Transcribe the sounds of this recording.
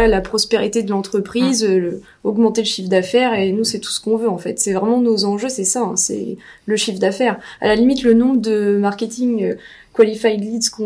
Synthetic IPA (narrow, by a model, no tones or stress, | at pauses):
alapχɔspeʁit̪ed̪əlɑ̃t̪χəpχizø | ɔɡmɑ̃t̪eləʃifd̪afɛʁenusɛt̪u̥sə̥kɔ̃vøɑ̃fɛt̪sɛvʁɛmɑ̃nozɑ̃ʒøsɛsaɛ̰̃sɛ̰ | ləʃifd̪afɛʁa̰lalimit̪lənɔ̃bʁəd̪əmaʁkʲet̪iŋø | kwalifajd̪lid̪skɔ̃